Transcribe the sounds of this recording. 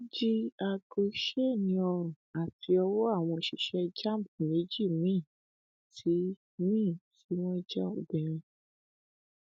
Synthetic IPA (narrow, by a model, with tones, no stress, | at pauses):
d͡ʒi˦a˧ɡi˧˦ʃe˦˨nĩ˧˦ɔ˧ɾɔ̃˨a˨ti˧˦ɔ˧wɔ˦a˦˨w̃ɔ̃˧ʃi˧ʃɛ˧d͡ʒa˦˨m˨pme˨˦d͡ʒi˦˨mĩː˦˨ | ti˨˦ | mĩː˦˨ti˨˦w̃ɔ̃˦i˦d͡ʒa˦o˨bɛ̃˨ɾ̃ĩ˧